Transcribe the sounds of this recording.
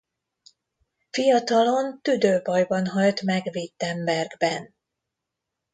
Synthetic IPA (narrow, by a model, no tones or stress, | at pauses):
fijɒt̪ɒlo̞nt̪yd̪øːbɒjbɒnɦɒlt̪mɛɡvit̪ːɛmbɛrɡbɛn